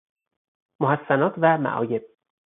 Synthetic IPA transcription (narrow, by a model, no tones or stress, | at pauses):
mohæsːænɒːt̪ʰvæmæ̰ʔɒ̰ːje̞b̥̚